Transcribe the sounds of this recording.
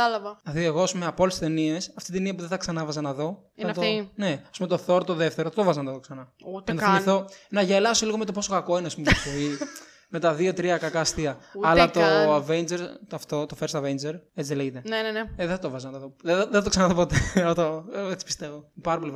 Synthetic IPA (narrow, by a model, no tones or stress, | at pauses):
ɐlɐvɐɐθieɣoɐspumeɐpolesst̪enie̞sɐft̪it̪iniɐpuðeθɐksɐnɐvɐzɐnɐðo̞ | ɐt̪one̞ɐspume̞t̪o̞θo̞ɾt̪oðeft̪eɾoθɐt̪ovɐzɐnɐt̪ɐt̪oksɐnɐnt̪θimiθonɐʝelɐsoliɣo̞me̞t̪o̞po̞so̞kɐko̞ineɐspumtofoi | me̞t̪ɐðio̞t̪ɾiɐkɐkɐst̪iɐɐlɐt̪oɐvend͡ʒeɾt̪ɐft̪o̞t̪ofeɾsɐvend͡ʒeɾet͡sileʝet̪eneneneðeθɐt̪ovɐzɐnɐt̪ɐðoððeθɐt̪oksɐnɐðopot̪et̪oet͡si̥pist̪evomepɐɾɐpolev